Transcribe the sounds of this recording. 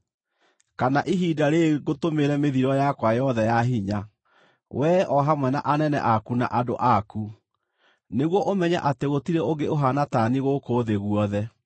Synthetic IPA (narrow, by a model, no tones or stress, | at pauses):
kanaʔiɦiːdaɾeɡotomeɾɛmeðiɾɔjakwajɔðɛjaɦiɲa | wʔɛʔɔɦamwɛna̰ʔanɛnɛ̰ʔakuna̰ʔado̰ʔaku | neɣwɔʔomɛɲa̰ʔateɣotiɾɛoɡeoɦanataniɣokoðeɣuɔðɛ